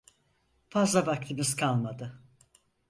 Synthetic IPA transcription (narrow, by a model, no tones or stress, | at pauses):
fazlˠabak̚t̪ʰɯmɯzkʰalˠmad̪ɯ